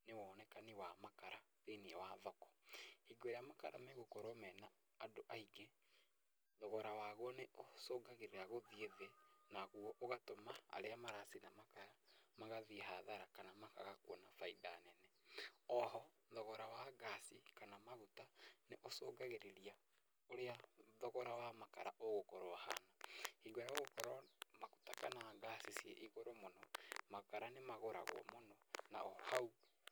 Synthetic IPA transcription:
newɔːnɛkaniwamakaɾa | ðeneɛwaðɔkɔ̥hiɡweɾeamakaɾa̰meɣokoɾomɛnaː | doʔaiɡe | ðɔɣɔɾawaɣwɔneosoːɡaɣeɾeɾaɣoðieðenaɣuɔʔoɣatomaa̰ɾeamaɾasinamakaɾamaɣaðiɦaðaɾakanamaka̰ɣakwɔnafaiðaːnɛnɛɔɦɔ | ðɔɣɔɾawaɡasikanamaɣutaneʔosoːɡaɣeɾeɾia | oɾeaðɔɣɔɾawamaka̰ɾaʔoɣokɔɾoaha̰naiɣoɾaoɣokɔɾamaɣutakanaɡasisiḛʔiɣoɾomonɔmakaɾanemaɣoɾa̰ɣw̰ɔ̰monɔna̰ohau

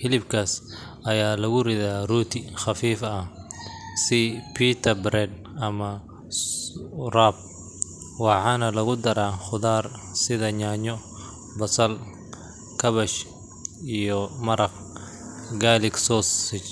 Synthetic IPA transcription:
ħɪlɪbkʰaːsʔɐjaːlɐɣʊrɪðaːruːt̪ʰɪχɑfiːfɐh | sɪpʰiːt̪ʰɐbɾɛd̪ | ɐmɐ | srab̚ | wɑħɑːnɐlɐɣʊd̪ɐɾaːχʊðaːr | sɪðɐɲaːɲɔ | bɐsɐl | kʰɐβɐʃ | ijɔmɐɾɐq | ɡaːlɪksɔsɪt͡ʃ

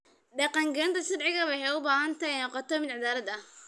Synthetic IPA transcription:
ɖɐqɑŋɡɛɪnt̪ʰɐʃɐrʕɪɣɐβɛjɦɛjʊbaːhɐnt̪ʰɐjnɔqɔt̪ʰɔmɪd̪ʕɪd̪aːɾɐd̪ɐh

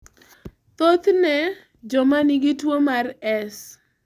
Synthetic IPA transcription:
t̪ot̪nɛ | d͡ʒɔmaniɡitwomarɛs

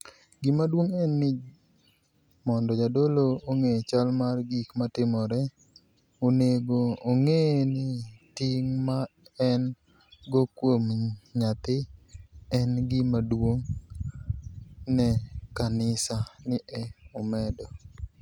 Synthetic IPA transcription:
ɡimadwoŋɛnːɪ | mɔndɔd͡ʒadolooŋet͡ʃalmarɡikmatɪmɔɾɛ | oneɡoːŋenɪtɪŋmaɛn | ɡokwomɲat̪ɪ | ɛnɡɪmadwoŋ | nɛkanɪsanɪʔɛɔmɛdɔ

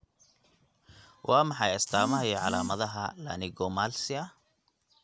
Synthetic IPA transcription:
wʔɑːmɑħɑjɐst̪ʰaːmɐɦɐjɔʕɑlaːmɐðɐɦɐla̰ːnɪɡɔmaːlsɪɐ

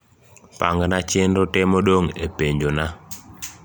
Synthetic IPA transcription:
pa̰ŋɡnat͡ʃendotɛmoɗoŋepeɲd͡ʒona

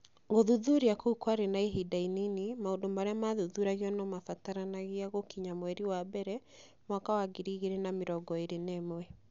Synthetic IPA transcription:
ɣoðuðuɾiakoukwaɾenaeɦidaininimaondomaɾɛamaðuðuɾaɣiɔnɔmafataɾanaɣiaɣokiɲamwɛɾiwabɛɾɛ | mwakawaɡiɾiɣeɾenameɾɔɡɔeɾenemwɛ

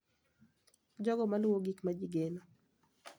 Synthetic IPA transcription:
d͡ʒɔɡɔmaluwoɡikmad͡ʒiɡeno

